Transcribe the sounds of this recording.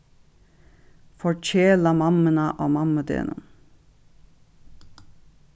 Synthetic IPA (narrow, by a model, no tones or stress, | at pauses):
fɔɹc͡çeːlɑmɑmənɑʔoːmɑməd̪ḛːnə̰n